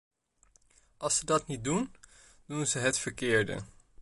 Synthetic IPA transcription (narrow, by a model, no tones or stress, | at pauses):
ɑlˠsədɑtnit̚dun | d̥unzəɦətfəɹkɪːɹdə̰